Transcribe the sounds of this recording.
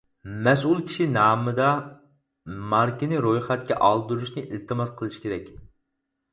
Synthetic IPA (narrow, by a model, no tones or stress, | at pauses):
mɛsulˠkʲʰi̥ʃinɑːmɨd̪ɑ | mɑɾkʲinɨɾojχɛt̪̚kʲɛ̰ʔɑlˠd̪uɾuʃnɨʔilt̪ʰɨmɑzqʰəlˠɨʃi̥kʲʰeɾɛkʲ